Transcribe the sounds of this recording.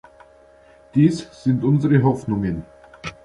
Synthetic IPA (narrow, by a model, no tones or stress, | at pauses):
d̥iːsz̥ɪntʔʊnzəʁəɦɔfnʊŋən